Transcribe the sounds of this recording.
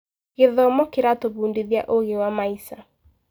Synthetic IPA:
ɣeðɔmɔkeɾatoβuːndiðja̰ʔoɣewamaisa

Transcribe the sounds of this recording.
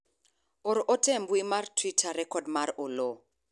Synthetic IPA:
ɔɾʔɔtɛmbuimartʰwitʰaɾɛkɔdmaɾɔlo

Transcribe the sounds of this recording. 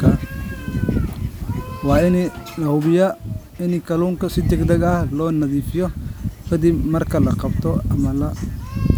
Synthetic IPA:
kʰɐ | wɑːɪnlɐhʊβɪjɐ | ɪnikʰɐluːŋkʰɐsɪd̪ɛɡd̪ɐɡɐhlɔːnɐðiːfɪjɔfɐd̪imɐrkʰɐlɐqɑbt̪ʰɔɐmɐlɐ

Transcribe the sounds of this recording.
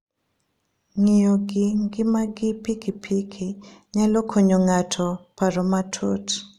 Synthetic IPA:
ŋijoɡɪŋɡɪmaɡɪpikipʰikʰiɲalɔkʰoɲoŋatʰɔpaɾɔmatʰo̰t

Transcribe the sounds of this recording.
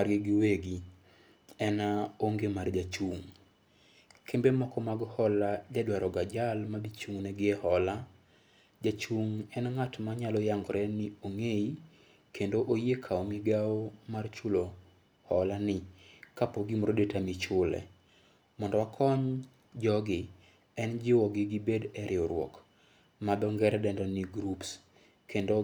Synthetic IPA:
aɾjeɡɪweɡi | ɛnaoŋɡemard͡ʒat͡ʃuŋ | kʰembemɔkɔmaɡhɔlad͡ʒadwaɾɔɡad͡ʒalmadit͡ʃuŋnɛɡɪɛhɔla | d͡ʒat͡ʃuŋɛnŋatmaɲalɔjaŋɡɔɾɛnɪoŋei | kʰendoʔojekʰaɔmiɡaomart͡ʃulo | hɔlanɪkapoɡimɔɾodetamit͡ʃʊlɛ̰ | mɔndɔwakʰɔɲ | d͡ʒɔɡɪ | ɛnd͡ʒɪwɔɡɪɡɪbedɛɾɪɔɾwɔ̰k | madɔŋɡɛɾɛdɛndɔniɡɾups | kʰendo

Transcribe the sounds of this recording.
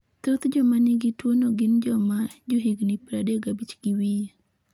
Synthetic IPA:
t̪ot̪d͡ʒɔmanɪɡɪtwonoɡɪnd͡ʒɔmad͡ʒoɦiɡnɪpɾadeɡabit͡ʃɡ̥iwi

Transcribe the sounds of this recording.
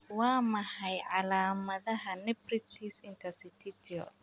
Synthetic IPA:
wɑːmɐhɐjʕɑlaːmɐðɐɦɐnɛbrɪt̪ʰiʃɪnt̪ʰɐsɪt̪ʰɪt̪ʰɪɔ̰

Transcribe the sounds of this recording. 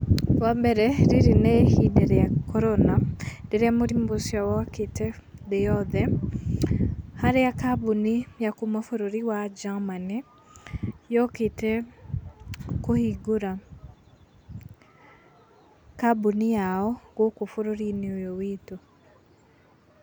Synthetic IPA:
wabɛɾɛɾiɾinehidɛɾɛjakɔɾonadɛɾɛjamoɾimbosjawɔkɪte | d̪ɛjɔd̪ɛ | haɾejakabunijakumafoɾoɾiwad͡ʒaŋmanɛ | jɔkɪte | kohiɡoɾa | kabunijaɔɡokofoɾoɾineojowito

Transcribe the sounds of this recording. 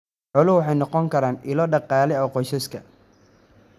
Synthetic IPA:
ʕʊlʊwɑħɑjnɔqɔŋkʰɐɾaːnɪlɔːɖɑqɑːlɛɔqɔjsɐskʰɐ̰

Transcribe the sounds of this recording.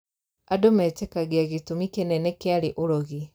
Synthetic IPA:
adomɛtɛkaɣiaɣitumikenɛnekealeʔoɾoɣi

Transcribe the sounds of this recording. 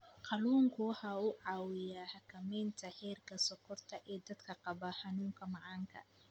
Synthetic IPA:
qɑluːŋkʰʊħɐʊʕɑːwɪjaːhɐkʰɐmɛːnt̪ʰɐħɛːrkʰɐsɔkʰɔrt̪ʰɐʔɛːd̪ɐd̪kʰɐqɑbɐħɑnuːŋkʰɐmɑʕɑːŋkʰɐ̰

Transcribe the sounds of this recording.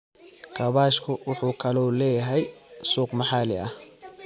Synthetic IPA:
kʰɐβaːʃkʰʊwʊħuːkʰɐlɔlɛːjɐɦɛjsuːqmɐħɑlɪɐh

